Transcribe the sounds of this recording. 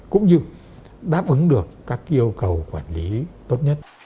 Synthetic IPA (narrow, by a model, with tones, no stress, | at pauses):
kʊ̰˧˥ŋ͡mɲɨ˧ | ɗaː˦˥p̚ʔɨ˨˦ŋɗɨ˨˩əkːaː˦˥k̚ʔi˧əwkə˨˩wkwaː˧˩nli˨˦t̪o˦˥t̚ɲə˦˥t̚